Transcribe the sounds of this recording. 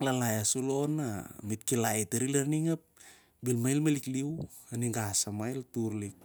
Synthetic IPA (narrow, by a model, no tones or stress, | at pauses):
lalajasulonamit̚kilajteɾilaɾniŋap̚ | bilmajlmalikliw | aniŋɡasamajltuɾlik̚